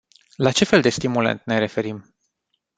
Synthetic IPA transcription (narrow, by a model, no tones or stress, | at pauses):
lat͡ʃe̞fe̞ld̪e̞st̪imulḛnt̪ne̞ɾe̞fe̞ɾim